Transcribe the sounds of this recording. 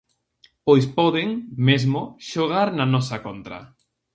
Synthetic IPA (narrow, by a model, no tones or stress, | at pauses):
pojspɔðɪŋmezmʊʃoɣaɾnɐnɔsɐkont̪ɾɐ̰